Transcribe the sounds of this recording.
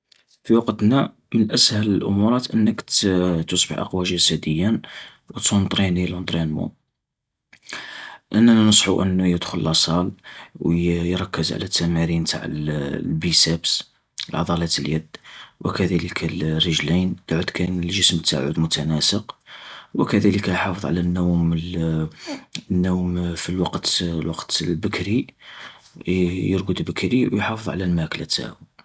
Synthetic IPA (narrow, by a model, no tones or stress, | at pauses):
fiwɑqt̪næ | mənʔæshæləlʔʊ̰muɾˤɑt̪ʔənːəkt̪usˤbəħʔɑ̰qwælʒæsæd̪əjːæn | wət̪unt̪ˤɾinilunt̪ˤɾinmṵ | ʔənːænænəsˤħuʔə̰nːujəd̪xʊlːʔɑsˤɑlwjjɾˤɑkːəzʕ̰læt̪ːæmæɾint̪a̰ʕə̰llbisæbs | əlʕɑ̰d̪ˤɑlɑt̪əljəd̪wə̰kæd̪æləkʰælrəʒlind̪̥ʕəd̪kænəlʒəsmt̪ːa̰ʕṵd̪mʊt̪ænæsəqwəkæd̪æləkæjħɑfəðˤʕa̰lænːæwml | nːuwmfilwɑqt̪lwɑqt̪əlbəkɾi | jəɾɡəd̪bəkɾiwjħɑfəðˤʕa̰lælmæklæt̪a̰ʕə